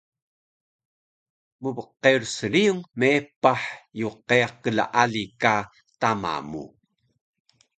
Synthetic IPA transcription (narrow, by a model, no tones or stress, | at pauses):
məvəqːeursəɾiuŋmepaħjuqeaqəla̰ʔalika | tama̰mṵ